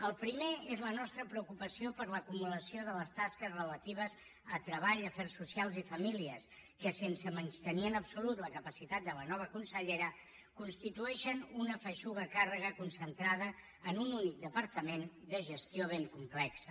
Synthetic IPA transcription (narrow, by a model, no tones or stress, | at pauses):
əlˠpɾimeezlənɔst̪ɾəpɾəukupəsiopəɾləkumuləsioðələst̪askəzrələt̪iβ̞əz | ət̪ɾəβaʎəfɛrsusialˠzifəmiliəs | kəsensəmənst̪əniənəpsulut̪ləkəpəsit̪at̪̚d̪ələnɔβ̞əkunsəʎeɾə | kunst̪it̪uɛʃənunəfəʃuɣəkarəɣəkunsənt̪ɾaðəː | nununik̚d̪əpəɾt̪əmen | d̪əʒəst̪joβ̞eŋkumplɛksə